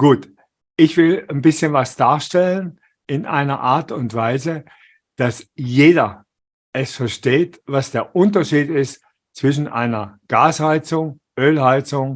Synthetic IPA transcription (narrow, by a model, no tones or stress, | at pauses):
ɡ̥uːt | ʔɪçv̥ɪlnbɪsçənvasd̥aːɐʃtɛlən | ɪnʔa̰ɪnɐ̰ʔaːɐtʊntv̥aɪzə | d̥asjeːdɐ | ʔɛsfɛɐʃteːtv̥asd̥eːɐʔʊntɐʃiːtɪst | t͡sv̥ɪʃ̬n̩ʔa̰ɪnɐɡ̥aːshaɪt͡sʊŋ | ʔøːlhaɪt͡sʊŋ